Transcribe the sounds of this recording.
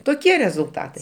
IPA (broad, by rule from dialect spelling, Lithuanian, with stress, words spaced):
toːˈkʲiɛ rʲɛzʊlˠˈtɑːtɐɪ